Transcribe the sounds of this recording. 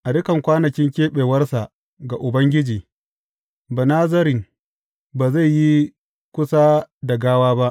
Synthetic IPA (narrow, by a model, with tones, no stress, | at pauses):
ʔa˨dʊ˦kɐ˨ŋkʷaː˦nɐ˨kʲɪ˦ŋkʲeː˦ɓeː˨wɐ˦rsa˨ʔ | ɡa˨ʔʊ˨bɐ˦ŋɡʲɪ˦d͡ʒiː˨ | ba˨naː˦zɐ˦ɾɪ˨ŋ | baː˨za˦˨jji˦ | kʷʊ˦saː˦da˨ɡaː˦waː˦ba˦ʔ